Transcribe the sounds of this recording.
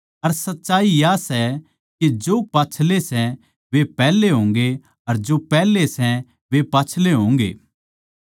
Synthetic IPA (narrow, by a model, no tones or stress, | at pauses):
ɐɾsɐtːʃaːijasɛ | ked͡ʒoːpaːt͡ʃʰlesɛ | ʋepɛːleɦõːŋ̆ɡe | ɐɾd͡ʒopɛːlesɛ | ʋepaːt͡ʃʰleɦõːŋɡḛː